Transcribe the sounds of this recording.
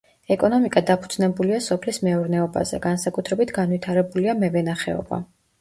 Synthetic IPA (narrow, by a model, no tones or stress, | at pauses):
ɛkʼɔnɔmikʼad̪apʰud̪znɛbuliasɔpʰlismɛuɾnɛɔba̰zɛ̰ɡansakʼut̪ʰɾɛbit̪ʰɡanwit̪ʰaɾɛbuliamɛvɛnaχɛɔ̰ba̰